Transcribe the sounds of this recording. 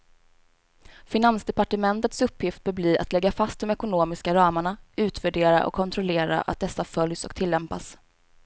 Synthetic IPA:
fɪnansd̪ɛpaʈəmɛnt̪ət̪sɵpːjɪft̪̚bœbliːɾʔa̰t̪lɛɡːafast̪d̪ɔmɛkʊnoːmɪskaɾɑːmaɳaʉ̟ːt̪væɖeːɾa̰ʔɔ̰kʰːɔnt̪ʰɾɔleːɾa̰ʔa̰t̪̚d̪ɛsːafœljsɔ̰kt̪ʰɪlːɛmpas

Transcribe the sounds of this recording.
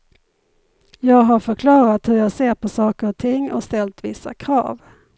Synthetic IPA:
jɑːɡɦaɾfœɾkʰlɑːɾat̪hɵɾjɑːɡseːɾpʰɔsɑːkəɾɔt̪ʰɪŋːɔ̰st̪ɛlt̪vɪsːa̰kʰɾɑ̰ːv

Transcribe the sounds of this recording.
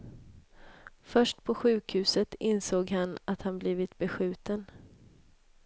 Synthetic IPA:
fœʂʈpʰɔɧʉ̟ːkhʉ̟ːsət̪ɪnsoːɡɦanat̪hanbliːvɪt̪bɛɧʉ̟ːt̪ən

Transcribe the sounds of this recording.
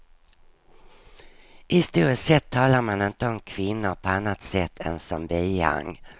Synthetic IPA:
ʔɪst̪uːɾəsɛt̪ʰːɑːlaɾmanɪnt̪əɔmkʰvɪnːʊɾpʰɔanːat̪sɛt̪ʰːɛ̰nsɔmbiːa̰ŋ

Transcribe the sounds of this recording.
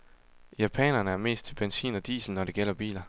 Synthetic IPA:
jæpʰɛ̰nɐnəæɐme̝̰ːsd̥t͡sʰe̝b̥ensḭːnɒ̽d̥ḭːsl̩nɒɾ̥e̝ɡ̥el̰ɐb̥ḭːlɐ

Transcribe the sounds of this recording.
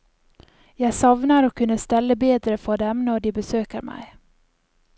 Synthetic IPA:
jɑːɡsɔvnaɾɔkʰːɵnːəst̪ɛlːəbeːd̪ɾəfœɖɛmnoːɖɪbɛsøːkəɾmæ̰j

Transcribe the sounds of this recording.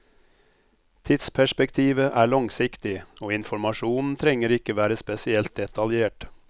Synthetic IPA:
t̪ʰɪt̪spʰæʃpɛkt̪ʰiːʋəʔæːɭɑŋsɪkt̪ɪoːɪnfɔɾmɑʃuːnn̩t̪ʰɾɛŋəɾɪkəʋæːɾəspɛsɪɛlt̪̚d̪ɛt̪ɑljeːʈ

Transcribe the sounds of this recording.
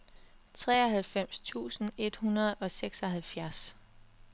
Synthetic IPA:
t͡sʰʁɛːɒɦælfem̰st͡sʰṵːsn̩e̝d̥hunɐð̞̩ˠɒ̽seɡ̥sɒ̽ɦælfjæɐs

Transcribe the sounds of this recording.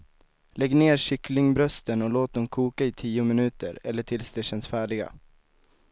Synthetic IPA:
lɛɡːneːɾʂʏklɪŋbɾœst̪ənɔloːt̪̚d̪ɛmkʰuːkaɪt̪ʰiːʊmɪnʉ̟ːt̪ə̰ɾɛlːəʈʰɪlsd̪eːʃɛnsfæːɖɪɡa̰

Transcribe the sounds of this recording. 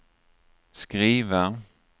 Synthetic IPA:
skɾiːva

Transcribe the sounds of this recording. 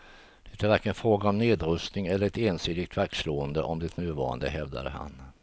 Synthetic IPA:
d̪̥ɛt̪ʰæɾvæɾkənfɾoːɡaɔmneːd̪ɾɵst̪nɪŋɛlːəɾɛt̪eːnsiːd̪ɪɡ̚t̪ʰvæk̪̚sloːənd̪əʔɔmd̪ɛt̪nʉ̟ːvɑ̰ːɾa̰nd̪ə̰ɦɛvd̪a̰d̪əha̰n

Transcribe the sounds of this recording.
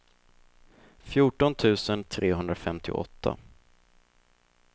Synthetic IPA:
fjuːʈɔnt̪ʰʉ̟ːsənt̪ʰɾʔeːɦɵnd̪ɾafɛmt̪ʰɪ̰ʔɔ̰t̪ʰːa̰

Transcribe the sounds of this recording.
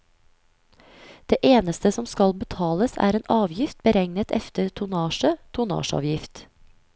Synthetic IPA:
d̪̥eːʔeːnəst̪əsɔmskɑlbət̪ʰɑːləsæ̰ːɾeːnʔɑːʋjɪft̪̚bəɾɛŋnət̪ɛft̪əɾt̪ʰʊnɑːʃət̪ʰʊnɑ̰ːʃɑ̰ːʋjɪft̪

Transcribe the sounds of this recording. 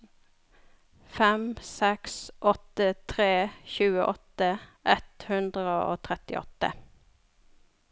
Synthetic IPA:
fɛmsɛksʔɔt̪ət̪ʰʁeːçʉːəʔɔt̪əʔɛt̪hʉnd̪ʁəo̰ːt̪ʰʁɛt̪ɪɔ̰t̪ːə̰

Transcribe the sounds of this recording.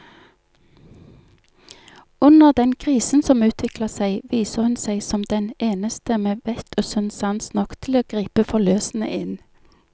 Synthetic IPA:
ʉnəʁd̪ɛnkʰʁiːsn̩sɔmʉːt̪ʰʋɪkləsæɪʋiːsəhʉnsæɪsɔmd̪ɛneːnəst̪əmeːʋɛt̪ʰoːsʉnsɑnsnɔkt̪ʰɪl̩oːɡ̥ʁiːpəfɔløːsn̩ə̰ʔɪn

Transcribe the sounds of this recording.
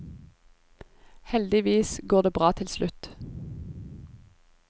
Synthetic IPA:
hɛld̪ɪʋiːsɡoːʁd̪eːbʁɑːt̪ʰɪlslʉt̪

